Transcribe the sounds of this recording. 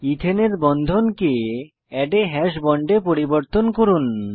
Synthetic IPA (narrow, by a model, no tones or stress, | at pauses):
it̪ʰeneɾbɔnd̪ʱonke | ɛɖeɦɛʃbɔɳɖepoɾiboɾt̪onkoɾun